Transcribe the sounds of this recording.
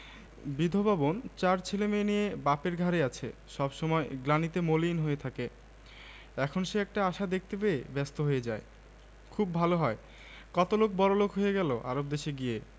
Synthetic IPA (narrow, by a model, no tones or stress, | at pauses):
bid̪ʱobabont͡ɕaɾt͡ɕʰelemenijebapeɾɡʱaɾeat͡ɕʰḛʃɔbʃɔmɔeɡlanit̪emolinɦojet̪ʰake | ɛkʰonʃeɛk̚ʈaaʃad̪ek̚ʰt̪ebeebɛst̪oɦojed͡ʑae | kʰubbʱaloɦɔe | kɔt̪olok̚bɔɾolokɦojeɡɛloʔa̰ɾob̚d̪eʃeɡije